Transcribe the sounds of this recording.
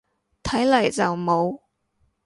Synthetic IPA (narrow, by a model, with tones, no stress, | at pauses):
t̪ʰɐ˨˥jlɐ˨˩jt͡sɐ˨wmo˨˧w